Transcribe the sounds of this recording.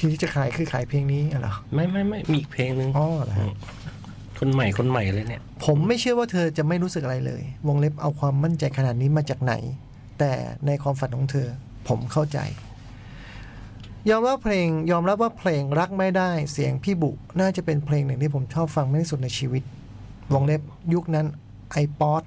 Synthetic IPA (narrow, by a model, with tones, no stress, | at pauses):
t̪ʰiː˧t̪ʰiː˥˩t͡ɕa˨˩kʰaː˨˩˦jkʰɯː˧˩kʰaː˩˦jpʰleː˧ŋniː˦˥ʔa˧˩lɔ̰˨˦ma˥˩jma˥˩jma˥˩jmiː˧ʔi˨˩k̚pʰleː˧ŋnɯ˨˧ŋʔɔː˧˩˨la̰˨˩a̰˦˥˧ | kʰo˧nma˨˩jkʰo˧nma˨˩jʔa˧ɾa˧ni˥˩ɐpʰo˩˦mːa˥˩jt͡ɕʰɯ˥˩əwaː˥˩t̪ʰɤː˧t͡ɕa˨˩ma˥˩jɾuː˦˥sɯ˨k̚ʔa˧a˧jlɤ̰ː˧jwo˧ŋle˦˥p̚ʔa̰˧wkʰwaː˧mːa˥˩nt͡ɕa˧jkʰa˧naː˨˩t̪̚niː˦˥maː˧t͡ɕaː˨˩k̚na̰˩˦j | t̪ɛ̰ː˨˩na˧jkʰwaː˧mfa˨˩nkʰɔː˩˦ŋt̪ʰɤː˧ | pʰo˩˦mkʰa˥˩wt͡ɕa̰˧j | jɔː˧mɾaː˥˩pʰleː˧ŋjɔː˧mɾa˦˥p̚waː˥˩pʰleː˧ŋɾa˦˥k̚ma˥˩jdaː˥˩jsi˩˦əŋpʰiː˥˩bu˨˩ʔnaː˥˩t͡ɕa˨˩pe˧npʰleː˧ŋnɯ˨˩ŋt̪ʰiː˥˩pʰo˩˦mt͡ɕʰɔː˥˩p̚fa˧ŋma˧˩jtʰi˥˩su˨˩t̪̚na˧jt͡ɕʰiː˧wi˦˥t̪̚ | wo˧ŋle˦˥p̚ju˦˥k̚na˦˥n | ʔa˧jpɔː˦˥t̪̚